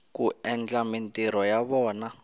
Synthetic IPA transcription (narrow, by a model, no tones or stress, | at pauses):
kuɛnd͡ɮamintʼiɾɔjaβɔːna